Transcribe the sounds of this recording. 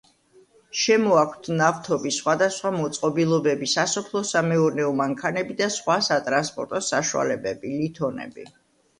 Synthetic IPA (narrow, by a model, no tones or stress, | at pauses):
ʃɛmɔakʰʷt̪ʰnaft̪ʰɔbisχwad̪asχwamɔt̪sʼqʼɔbilˠɔbɛbisasɔpʰlˠɔsamɛuɾnɛɔmaŋkʰanɛbid̪asχwasat̪ʼɾanspʼɔ̰ɾt̪ʼɔsaʃua̰lɛbɛbilit̪ʰɔnɛ̰bḭ